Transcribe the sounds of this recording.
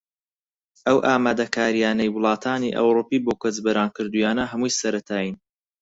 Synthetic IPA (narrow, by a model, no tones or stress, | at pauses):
ʔɐwʔaːmaːd̪ɐkʰaːɾijaːnɐjwʊlˠɑːt̪ʰaːniʔɐ̰wɾupiːboːkʷɐzbɐɾaːnkɨɾd̪ujaːnɐɦɐmujsɐɾɐt̪ʰaːjin